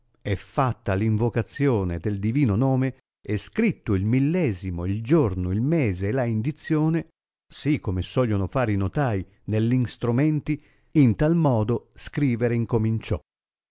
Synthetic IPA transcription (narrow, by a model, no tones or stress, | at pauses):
ɛfːat̪ːaliɱvokat̪sːjoːned̪eld̪iviːnonoːme | eskɾit̪ːʊilmilːɛːzimoild͡ʒornoilmeːzeːlaind̪it̪sːjoːne | sikːomesɔʎːonofaːɾinot̪aːi | nelːinst̪ɾumɛnt̪i | int̪almɔːd̪oskɾiːveɾeiŋkomint͡ʃɔ